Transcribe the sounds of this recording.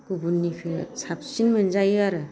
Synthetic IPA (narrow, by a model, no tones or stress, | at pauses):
kubunːikʰɯsap̚sinmɯnzajɯaɾɯ